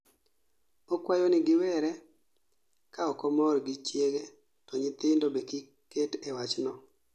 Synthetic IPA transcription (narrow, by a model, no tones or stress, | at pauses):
ɔkwajonɪɡɪwɛɾɛ | kaɔkɔmɔrɡɪt͡ʃjeɡe | tɔɲɪt̪ɪndobeki | ketewat͡ʃnɔ